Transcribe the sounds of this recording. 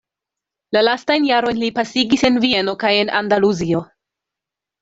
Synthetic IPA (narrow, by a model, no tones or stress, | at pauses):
lalastajnjaɾo̞jnlipasiɡise̞nvie̞no̞kaje̞nʔandaluzio̞